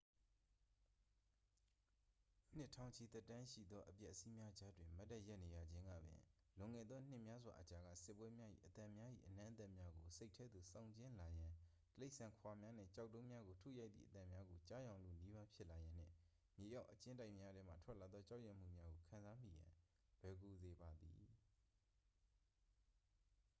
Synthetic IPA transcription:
u˦n̥ɪ˦˨tʰã˨ʊ̃ɲt͡ɕʰi˨t̪ɛ˦˨tːã˦ʃḭ˦˨d̪ðɔ˦ʔəpjɛ˦ʔəsi˦mja˦d͡ʑa˦dwɪ̃˨ma˦tːɛ˦˨jɛ˦ʔne˨ja̰˨d͡ʑɪ̃˦ŋɡä̰˦˨bɪ̰̃˨ | lʊ̃˨ŋɛ˦˨d̪ðɔ˦n̥ɪ˦ʔmja˦zwa̰˨ʔət͡ɕa˨ɡä̰˦˨sɪ˦pːwɛ˦mja˦ʔḭ˦˨ʔət̪ã˨mja˦ʔḭ˦˨ʔən̥ã˦ʔət̪ɛ˦ʔmja˦ɡo˨se˦ɪʔtʰɛ˦d̪ðu˨sã˦˨ʊ̃ɲt͡ɕɪ̃˦la˨jã˨ | təle˦ɪʔsã˨ŋkʰwa˨mja˦n̥ɛ̰̃˦˨t͡ɕa˦ʊʔtːõ˦mja˦ɡo˨tʰṵ˦˨ja˦ɪt̪ðḭ˦˨ət̪ã˨mja˦ɡo˨t͡ɕa˦jã˨ʊ̃lo̰˦˨ni˦βa˦pʰjɪ˦ʔla˨jã˨n̥ɪ̰̃˦˨ | mje˨ja˦ʊʔət͡ɕɪ̃˦nda˦ɪʔmja˦dwɛ̃˦m̥a̰˦˨tʰw̥ɛ˦ʔla˨d̪ðɔ˦t͡ɕa˦ʊjɛ̃˦˨m̥ṵ˦˨mja˦ɡo˨kʰã˨nza˦m̥ḭ˦˨jã̰˨ | lwɛ˨ku˨ze˨ba˨d̪ḭ˨

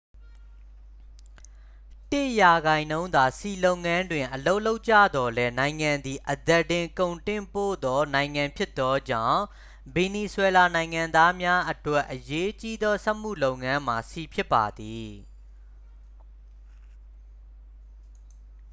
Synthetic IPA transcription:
tɪ˦ʔja˨ɡã˨ɪ̃nõ˦ʊ̃nd̪a˨si˨lo˦ʊʔŋã˦ndwɪ̃˨ʔəlo˦ʊʔlo˦ʊʔt͡ɕä̰˦˨d̪ɔ˨lɛ˦nã˨ɪ̃ŋã˨nd̪i˨ʔəd̪ɛ˨tɪ̃˨ŋkõ˨ʊ̃ntɪ̃˦˨mpo̰˦˨d̪ɔ˦nã˨ɪ̃ŋã˨mpʰjɪ˦t̪ːɔ˦d͡ʑã̰˦˨ | be˨ni˨swɛ˨la˨nã˨ɪ̃ŋã˨nd̪a˦mja˦ʔətwɛ˦ʔːəje˦t͡ɕi˦d̪ɔ˦sɛ˦ʔm̥ṵ˦˨lo˦ʊŋã˦m̥a˨si˨pʰjɪ˦pːa˨d̪i˨

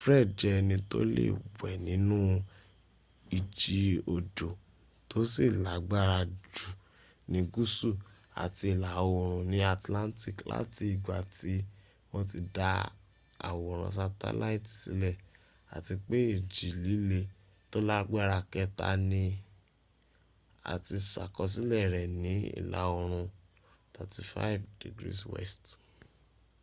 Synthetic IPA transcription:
fɾɛ˦˨d͡ʒɛ˧nĩ˧to̰˦lḛ˦˨bɛ˨nĩ˨˦nũ˦ | i˨d͡ʒi˧o˨d͡ʒo˨ | to˦si˦˨la˨˦ɡ͡ba˦ɾa˧d͡ʒu˨ | nĩ˨˧ɡu˦su˦˨ | a̰˨ti˧i˨la˨o˧˨ɾ̃ũ˨nĩ˨˦a˧˨tlã˦n˦ti˦˨kla̰˦ti˦i˦˨ɡ͡ba˨ti˨˧˦ | w̃ɔ̃˦t̬i˧da˧ | a̰˨wo˨ɾ̃ɔ̰̃˧˨s̬a˧ta̰˦la˦i˦˨ti̥˨sḭ˨˦lɛ˦˨ | a̰˨ti˧k͡pe˦e˦˨d͡ʒi˨li˨˦le˧ | to˦la˦ɡ͡bɛ˦ɾa˧kɛ˧ta̰˧nĩ˧ | a̰˨ti˧sa̰˨kɔ˧s̬i˦lɛ˦˨ɾɛ˨nĩ˨˦ḭ˦˨la̰˨o˧ɾ̃ũ˧ | tʰa˨ti˧˦fa̰˦i˦˨vdḭ˨ɡɾḭ˦swɛ̰˦st

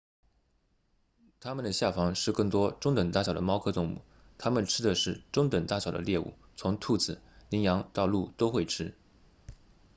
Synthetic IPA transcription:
t̪ʰa˥mə˨nd̪ə˩ɕja˥˩fɑ˧˥ŋʂɻ̩˥˧kɤ˥˩ŋt̪wɔ˥ʈ͡ʂʊ˥ŋt̪ə˨˩ŋt̪a˥˩ɕjɑ˨˩ʊd̪ə˦mɑ˥ʊkʰɤ˥t̪ʊ˥˧ŋmṵ˥˩ | t̪ʰa˥mə˨nʈ͡ʂʰɻ̩˥d̪ə˨ʂɻ̩˥˩ʈ͡ʂʊ˥ŋt̪ə˨˩ŋt̪a˥˩ɕjɑ˨˩ʊd̪ə̰˦ljɛ˥˧ṵ˥˩ | t͡sʰʊ˧˥ŋt̪ʰu˥˩t͡sɹ̩˨˩˦li˧˥njɑ˧˥ŋt̪ɑ˥˧ʊlu˥˩t̪o˥ʊxwe˥˩ɪʈ͡ʂʰɻ̩˥

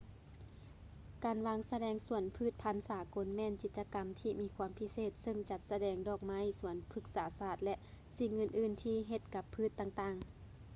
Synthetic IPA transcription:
kaː˨˩nʋaː˧˥ŋsa˧dɛː˧˥ŋsu˧˩ənpʰɯː˧˥˩t̪̚pʰa˧˥˨nsaː˨˦ko˨˦nmɛː˧˨nt͡ɕi˨˩t̪̚t͡ɕa˧ka˨˩mt̪ʰiː˧˩miː˧˥kʰwaː˧˥mpʰi˧seː˧˨˩t̪̚sɤ˧ŋt͡ɕa˧˦t̪̚sa˧dɛː˧˩ŋdɔː˧˩k̚ma˧˥˨jsu˨˩˦ənpʰɯ˧˥k̚saː˨˦saː˧˩t̪̚lɛ˧ʔ | si˧˩ŋːɤː˧˩nʔɯː˧˩nt̪ʰiː˧˩ɦe˧˩t̪̚ka˧˦pʰːɯː˧˩˨t̪ːa˧ŋt̪aː˧˩ŋ

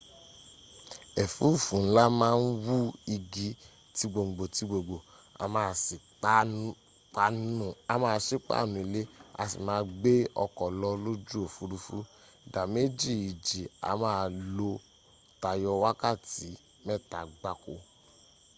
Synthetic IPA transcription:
ɛ˨fu˦˨fũ˨n̩˦la˦mãː˦n̩˦wu˦i˧ɡi˨˦ | ti˧˦ɡ͡bo˨ŋ͡m̩˨ɡ͡bo˨ti˨˧˦ɡ͡bo˨ɡ͡bo˨ | a̰˨˧mãː˦˨si˨k͡pa˦ | k͡pa˦nũ˦˨a˨˦mãː˦˧ʃe˦k͡pa̰˦˨nũ˨i˨le˦a̰˧sḭ˨mãː˦ɡ͡be˦ɔ̰˧kɔ˨lɔ˧lo˦d͡ʒu˦o˨fu˨˦ɾu˧fu˦˨ | da˨me˦d͡ʒi˦˨i˨d͡ʒi˨a̰˨˦mãː˦˧lo˧ | ta˨jɔ˧wa˦ka˦˨ti˨˦ | mɛ˦˨ta˨ɡ͡ba˨˦ko˧

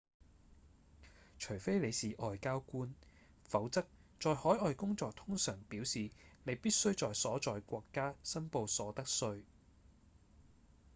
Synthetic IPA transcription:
t͡ʃʰɵ˨˩ɥfe˥jle˨˧jsiː˨ʔɔː˨jkaː˥wkuː˥n | fɐ˨˥wt͡sɐ˥k̚t͡ʃɔː˨jhɔː˨˥jɔː˨˧jkʊ˥ŋt͡sɔː˧k̚t̪ʰʊ˥ŋsœː˨˩ŋpiː˨˥wsiː˨ne˨˧jpiː˥t̚sɵ˥ɥt͡sɔː˨jsɔː˨˥t͡sɔː˨jkʷɔː˧kːaː˥sɐ˥npo˧wsɔː˨˥t̪ɐ˥k̚sɵ˧ɥ

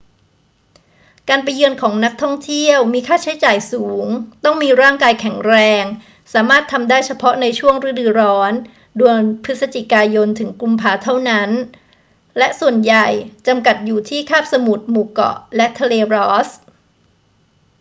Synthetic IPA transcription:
kaː˧npa˧jːɯ˧ənkʰɔː˩˦ŋna˦˥k̚t̪ʰɔ˥˩ŋt̪ʰi˥˩əwmiː˧kʰaː˥˩t͡ɕʰa˦˥jt͡ɕaː˨˩jsuː˩˦ŋt̪ɔ˥˩ŋmiː˧ɾaː˥˩ŋkaː˧jkʰɛ˨˩˦ŋɾɛː˧ŋ | saː˩˦maː˥˩t̪ʰːa˧mdaː˥˩jt͡ɕʰa˧pʰɔ˦˥na˧jt͡ɕʰu˥˩əŋɾɯ˦˥˩dɯː˧ɾɔː˦˥n | du˧ənpʰɯ˦˥t̪̚sa˧t͡ɕi˨˩kaː˧jo˧nt̪ʰɯ˩˦ŋklu˧mpʰaː˩˦t̪ʰa˥˩wna˦˥n | lɛ˦˥ʔsu˨˩ənja˨˩jt͡ɕa˧mka˨˩t̪̚juː˨˩t̪ʰiː˥˩kʰaː˥˩p̚sa˧mu˨˩t̪̚muː˨˩kɔ̰˨˩lɛ˦˥ʔt̪ʰa˧leː˧ɾɔː˦˥s

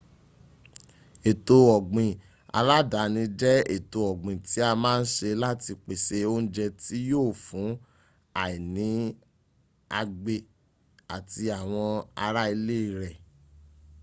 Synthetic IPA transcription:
e˨to˧ɔ˨ɡ͡bĩ˨ | a̰˧ɾa˦da˨˦nĩ˧d͡ʒɛ˦ḛ˨to˧ɔ˨ɡ͡bĩ˨ti˨˦a˧mãː˦n̩˦ʃe˧la˦ti˧k͡pe˨se˧o˦n̩˦d͡ʒɛ˧ti˦joː˦˨fũ˨˦ | a˨i˨nĩ˨˦ | a˧ɡ͡be˨ | a˨ti˧a˨w̃ɔ̃˧a˧ɾa˦i˧le˦i˧˨ɾɛ˨

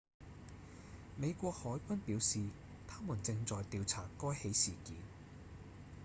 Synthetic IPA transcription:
me˨˧jkʷɔː˧k̚hɔː˨˥jkʷɐ˥npiː˨˥wsiː˨ | t̪ʰaː˥muː˨˩nt͡sɪ˧ŋt͡sɔː˨jt̪iː˧wt͡sʰaː˨˩kɔː˥jhe˨˥jsiː˨˩kiː˨˧n

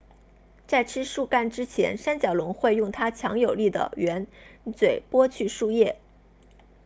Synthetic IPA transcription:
t͡sa˥˩ɪʈ͡ʂʰɻ̩˥ʂu˥˧ka˥˩nʈ͡ʂɻ̩˥t͡ɕʰjɛ̰˧˥nʂa˥nt͡ɕjɑ˨˩ʊlʊ˧˥ŋxwe˥˧ɪjʊ˥˩ŋt̪ʰa˥t͡ɕʰjɑ˧˥ŋjo˨˩ʊli˥˩d̪ə̰˩ɥɛ˧˥nt͡swe˨˩ɪpwɔ˥t͡ɕʰy˥˧ʂu˥˧jɛ˥˩

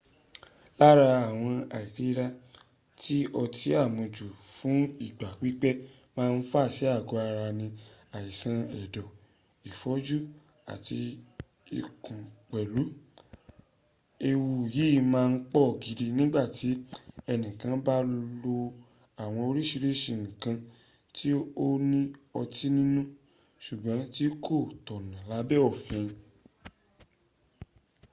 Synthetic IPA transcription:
la˦ɾa˧a˨w̃ɔ̃˧a˨i˨ti˨˦˧ɾa˧ | ti˦ɔ˧tʰi˨˦a˦˨mõ˨d͡ʒu˨fũ˨˦i˦˨ɡ͡ba˨k͡pi˦k͡pɛ˦ | mãː˦˧n̩˦fa˦˨ʃɛ˨˦a˦˨ɡɔ˨˦a˧ɾa˧nĩ˧a˨i˨sã˧ɛ˨dɔ˨ | i˨fɔ˨˦d͡ʒu˦ | a̰˨ti˧ | ḭ˨kũ˨k͡pɛ˨lu˨˦ | e˧wu˧˨ji˨˦˧mãː˦˧n̩˦k͡pɔ˦˨ɡi˨˧di˧nĩ˦ɡ͡ba˦˨ti˨˦ɛ˧nĩ˨kã˨˧ba˦lo˧ | a˨w̃ɔ̃˧o˧ɾi˦ʃi˧ɾe˦ʃi˧˨ñ̩˨kã˧ | ti˦o˦nĩ˦ɔ˧tʰi˦nĩ˦nũ˦ | ʃu˨ɡ͡bã˨˦ti˦kʰo˦˨tɔ˨nã˨la˨˦bɛ˦ɔ˦˨fɛ̃˧

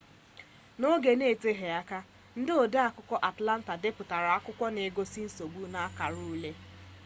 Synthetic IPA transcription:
no˦ɡe˨ne˦˨te˦ɦe˨a˦ka˦ | n̩˦dɪ˦o˨de˦a˨kʊ˦kʷɔ˦ʔa˨tla˦n̩˦ta˨dɪ˦pʊ˨ta˨ɾa˨a˦kʊ˦kʷɔ˦ne˨ɡo˦si˦n̩˦so˨bu˦na˦ka˨ɾu˦u˦le˦

